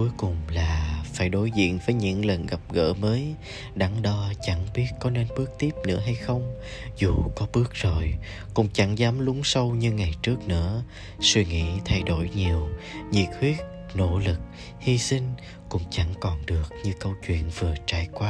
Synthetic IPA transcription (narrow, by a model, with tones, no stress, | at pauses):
ku˨˦jkʊ˨˩ŋ͡mlaː˨˩faː˧˩jɗo˨˦jzḭ˧˨ənvəː˨˦jɲɨ̰˧˥ŋlə˨˩nɣa˨˩p̚ɣə̰ː˧˥məː˨˦j | ɗa˨˦ŋɗɔ˧t͡ɕa˧˩ŋɓi˦˥ət̚kɔ˨˦ne˧nɓɨ˦˥ək̚t̪i˦˥əp̚nɨ̰˧˥əɦa˧jxə˧wŋ͡m | zu˨˩kɔ˨˦ɓɨ˦˥ək̚z̥o˨˩j | kʊ̰˧˥ŋ͡mt͡ɕa˧˩ŋzaː˨˦mlʊ˨˦ŋ͡msə˧wɲɨ˧ŋa˨˩jt͡ɕɨ˦˥ək̚nɨ̰˧˥ə | swi˧ŋḭ˧˥t̪ʰa˧jɗo̰˧˩jɲi˨˩əwɲḭ˨˩t̚hwi˦˥ət̚ | no̰˧˥lɨ˨˩k̚ | hi˧sï˧ŋ̟ | kʊ̰˧˥ŋ͡mt͡ɕa˧˩ŋkɔ˨˩nɗɨ˨˩ək̚ɲɨ˧kə˧wt͡ɕwḭ˧˨ənvɨ˨˩ət͡ɕaː˧˩jkwaː˦